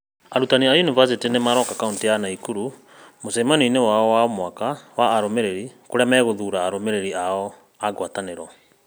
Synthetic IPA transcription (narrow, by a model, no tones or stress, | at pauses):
aɾutaniajunivas̬itinemaɾɔkakauntijanaikuɾu | mosɛmaniinewaɔwaɔmwakawaːɾomeɾeɾikoɾeamɛːɣoðuɾaːɾomeɾeɾiaɔ | aɡwataneɾɔ